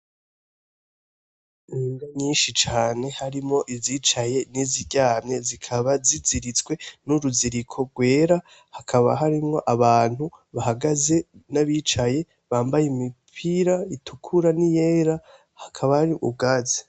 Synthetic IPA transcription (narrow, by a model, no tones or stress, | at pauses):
niːŋɡaɲiːnʃit͡ʃaːne̞haɾimŋo̞ʔizit͡ʃaje̞niziɟaːmɲe̞zikʰaβaziziɾit͡swe̞nuɾuziɾikʰo̞ɾɡwe̞ːɾa | hakʰaβa̰ɦaɾimŋo̞ʔaβaːn̥huβaɦaɡaze̞naβiːt͡ʃaje̞ | βaːmbajimipʰiɾaitʰukʰuɾanije̞ːɾa | hakʰaβahaɾiʔṵb̚ɡaːze̥